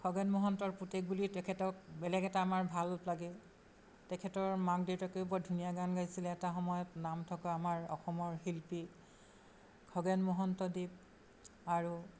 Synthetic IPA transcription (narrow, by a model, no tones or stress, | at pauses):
kʰɔɡɛnmɔɦɔntɔɹputek̚bulitɛkʰɛtɔk̚bɛlɛɡɛtaːmaɹbʱalplaɡɛ | tɛkʰɛtɔɹmakdiwtakojbɔdʱunijaɡanɡajsilɛːtaxɔmɔjɔtnamtʰɔkaːmaɹɔ̰xɔmɔɹhilpi | kʰɔɡɛnmɔɦɔntɔdib̚ | aɹu